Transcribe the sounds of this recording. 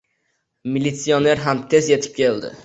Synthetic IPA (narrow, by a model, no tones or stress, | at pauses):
milit̪sione̞ɾɦamt̪ʰe̞zje̞t̪ʰɪ̥p̚kʲeld̪ɪ̰